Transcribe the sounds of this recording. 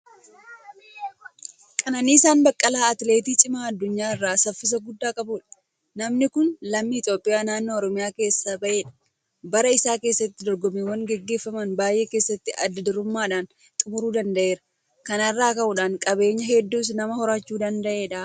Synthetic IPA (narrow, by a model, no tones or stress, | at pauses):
kʼɐnɐniːɪsaːnbɐkʼːɐlaːɐt̪le̞ːt̪iːt͡ʃʼɪmaɐd̪ːʊɲːaːɪrːaːsɐfːɪs̬ɐɡʊd̪ːaːkʼɐbuːᶑɐ̥ | nɐmnɪkʊnlɐmːiːɪt̪jo̞ːpʼɪjaːnaːnːoːɔɾɔmɪjaːke̞ːsːɐbɐʔeːᶑɐ̥ | bɐɾɐɪsaːke̞ːsːɐt̪ːɪd̪ɔɾɡɔmewɐŋɡɛɡːe̞ːfːɐmɐnbaːjʔe̞ːke̞ːsːɐt̪ːɪʔɐd̪ːɐd̪ɪɾʊmːaːᶑaːn | t̪ʼʊmʊɾuːd̪ɐnd̪ɐʔe̞ːɾɐ | kɐnɐrːaːkɐʔuːᶑaːŋkʼɐbe̞ːɲːɐɦɛd̪ːuːs̬nɐmɐhɔɾaːt͡ʃːuːd̪ɐnd̪ɐʔe̞ːᶑaː